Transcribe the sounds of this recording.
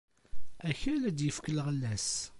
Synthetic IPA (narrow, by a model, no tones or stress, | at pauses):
æçælæd̪jəfkəlʁəlːæs